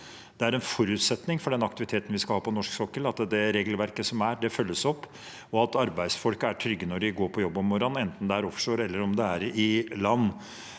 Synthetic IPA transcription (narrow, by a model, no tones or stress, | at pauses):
d̪ɛæɾɛnfɔɾʉːt̪sɛt̪nɪŋfɔɖɛnɑkt̪ɪʋɪt̪ʰeːt̪n̩ʋɪskɑlhɑːpɔnɔʂksɔkːəlɑt̪ːəd̪ɛɾeːɡlʋæɾkəsɔmæɖɛfœlːəsɔpː | ɔɑt̪ɑɾbæɪsfɔlkəæʈʰɾʏɡːənɔɖɪɡoːɾpʰɔjɔbːɔmːɔɾɑnɛnt̪n̩d̪ɛæɾɔfʂoːɾɛlːəɾɔmd̪ɛæɾɪlɑnː